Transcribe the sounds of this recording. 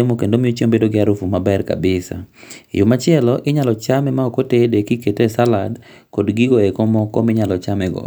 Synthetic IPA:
emokendomɪot͡ʃembedoɡɪaɾufumabɛrka̰bɪsa̰jʊmat͡ʃɪɛlɔʔɪɲalɔt͡ʃamɛmaɔkotedekiketoɛsaladkɔdɡɪɡoekomɔkɔmɪɲalɔt͡ʃamɛɡɔ̰

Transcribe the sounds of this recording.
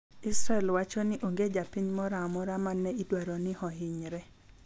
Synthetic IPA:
ɪsɾaɛlwat͡ʃɔnɪʔoŋɡed͡ʒapiɲmɔɾamɔɾamanːɛidwaɾonɪhɔɦɪɲɾɛ

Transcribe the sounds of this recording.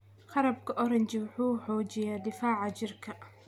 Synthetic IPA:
χɑɾɐbkʰɐʔɔɾɐnt͡ʃɪwʊħuːħɔːt͡ʃɪjaːd̪ɪfaːʕɑt͡ʃɪrkʰɐ

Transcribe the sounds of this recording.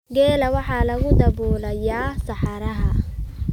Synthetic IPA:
ɡɛːlɐwɑħɑːlɐɣʊd̪ɐbuːlɐjaːsɑħɑɾɐɦɐ

